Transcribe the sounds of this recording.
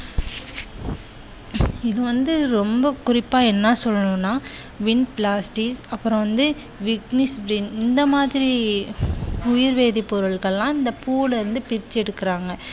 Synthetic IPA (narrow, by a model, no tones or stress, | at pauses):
ɪðɯʋɐnd̪ɯɾɔmbɐkʊɾɪpːaːɛnːaːsɔlːɐnũːnːaː | ʋɪnplaːsʈisɐpːɯɾɐ̃ʋɐnd̪ɯ | ʋɪknɪsbɾiːnɪnd̪ɐmaːðɪɾi | ʊjɪɾʋeːðipːɔɾɯɭɣɐɭlːãːɪnd̪ɐpuːlɾɯnd̪ɯpɪɾɪt͡ʃːɛɽɯkːɪɾaːŋɡɐ